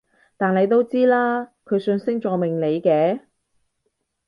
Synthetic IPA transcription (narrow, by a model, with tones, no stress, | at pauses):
t̪aː˨nle˨˧jt̪o˥wt͡siː˥laː˥kʰɵ˨˧ɥsɵ˧nsɪ˥ŋt͡ʃɔː˨˧mɪ˨˩ŋle˨˧jkɛː˨˧˥